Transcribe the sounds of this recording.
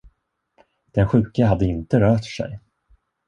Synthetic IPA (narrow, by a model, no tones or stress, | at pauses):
d̪̥ɛnɧʉ̟ːkəɦad̪ːəɪnt̪əɾœːʈʂɛ̰j